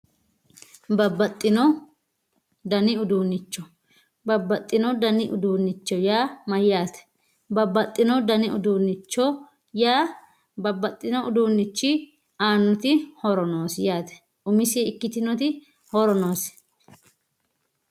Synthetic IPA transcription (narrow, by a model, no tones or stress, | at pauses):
bɐbɐt̪ʼːɪnɔ | d̪ɐnɪʊd̪uːnːɪt͡ʃːɔ | bɐbːɐt̪ʼːɪnɔd̪ɐnɪʔʊ̰d̪uːnːɪt͡ʃːɔjaːmɐjːaːt̪ɛ̥ | bɐbːɐt̪ʼːɪnɔd̪ɐnɪʔʊ̰d̪uːnːɪt͡ʃːɔ | jaː | bɐbːɐt̪ʼːɪnɔʊd̪uːnːɪt͡ʃːɪ | aːnːʊt̪ɪhɔɾɔnoːsjaːt̪ɛ̥ | ʔʊmɪsiːɪkːɪt̪ɪnɔt̪ɪ | hɔɾɔnoːs